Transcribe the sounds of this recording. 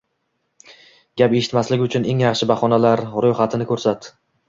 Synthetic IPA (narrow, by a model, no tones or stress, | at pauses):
ɡʲape̞ʃɪ̥t̪maslɪɡʲʊt͡ʃʰʊne̞ŋjɑχʃɪbaχɒnalaɾɾojχat̪ʰɪnɪkʰɵɾsat̪